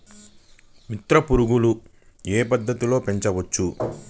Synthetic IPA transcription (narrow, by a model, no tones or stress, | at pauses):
mit̪ɾɐpuɾuɡulu | eːpɐd̪ːɐt̪ilo̞ːpe̞ɲt͡ʃɐʋɐt͡ʃːu